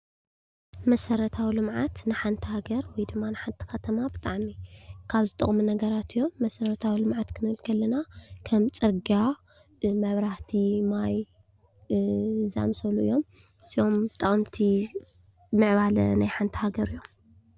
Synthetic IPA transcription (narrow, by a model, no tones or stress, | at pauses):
mɐsɐɾɐt̪ʰawilɨmʕat̪nɨħant̪ʰɐhaɡɐɾwɔjd̪ɨmːanɨħant̪ʰɨ̥kɐt̪ʰɐmabɨt̪ʼaʕmikʰaβzɨt̪ʼɐχʼmunɐɡɐɾat̪ʰɨjːo̞mːɐsɐɾɐt̪ʰawilɨmʕat̪kʰɨnɨlkʰɐlːɐnakʰɐmt͡sʼɨɾɡa | mɐβɾaht̪ʰimaj | za̰msɐluʔɨjːo̞m | ɨziomt̪ʼɐχʼmt̪ʰi | mɨʕβalɐ̰najħant̪ʰi̥haɡɐɾɨjːom